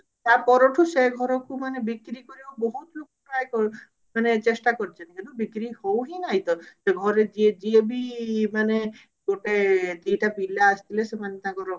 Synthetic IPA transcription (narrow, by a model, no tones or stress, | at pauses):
t̪apɔɾoʈʰuseɡʱɔɾɔkumanebikɾikoɾiaboɦut̪bok | ajkɔ | manet͡ʃesʈakoɾit͡ʃʰenikint̪ubikɾihowɦinaɦjt̪ɔseɡʱɔɾed͡ʒied͡ʒiebimane | ɡoʈet̪iʈapilaːst̪ʰilesemanet̪aɡɔɾo